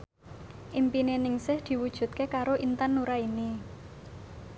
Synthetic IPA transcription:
ʔimpinenɪŋsɪhd̪̥i̤wud̥ʒ̥ṳt̪̚kekaɾoʔint̪anːuɾaini

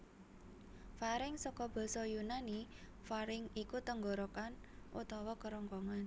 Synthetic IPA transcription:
faɾɪŋsɔkɔb̥ɔ̤sɔjunani | faɾɪŋikut̪əŋɡɔɾokanʔṵt̪ɔwɔkəɾɔŋkɔŋan

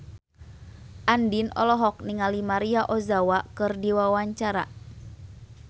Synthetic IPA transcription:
ʔandinɔ̰lɔɦɔk̚niŋalimaɾiaʔɔzawakɨrdiwawaɲt͡ʃaɾa̰

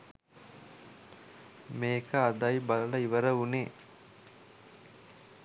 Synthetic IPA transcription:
meːkəad̪ajballəiʋəɾəuneː

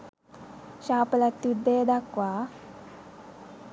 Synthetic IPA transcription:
ɕaːplat̪ːud̪eːd̪akwa

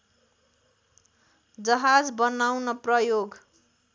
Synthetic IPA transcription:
d͡zʌɦad͡zbʌnawnʌprʌjoɡ

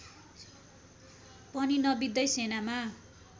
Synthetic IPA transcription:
pʌninʌbid̪ʌjsenama

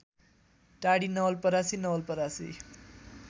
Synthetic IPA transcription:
ʈaɽinʌwlpʌɾasinʌwʌlpʌɾasḭ

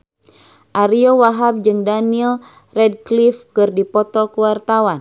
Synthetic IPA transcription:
ʔaɾiowaɦap̚d͡ʒɨŋdaniɛl | rɛd̚klifkɨrdipɔt̪ɔkəwart̪awan

